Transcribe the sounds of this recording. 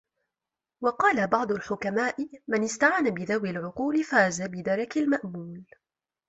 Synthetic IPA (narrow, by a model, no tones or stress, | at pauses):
wɑqɑːlabɑʕd̪ˤʊlħʊkamaːʔɪmanɪst̪aʕaːnabɪðawɪlʕʊquːlɪfaːzabɪd̪ɑɾˤɑkalmaʔmuːl